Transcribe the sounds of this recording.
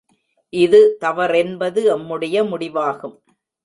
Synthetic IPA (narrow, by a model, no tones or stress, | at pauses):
ʔɪðɯt̪ɐʋɐɾɛnbɐðɯɐmːɯɽɐjɐmʊɽɪʋaːɣɯm